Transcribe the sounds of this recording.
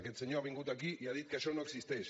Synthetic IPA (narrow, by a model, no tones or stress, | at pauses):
ket̪seɲoaβiŋɡut̪akijaðit̪̚keʃonoksist̪es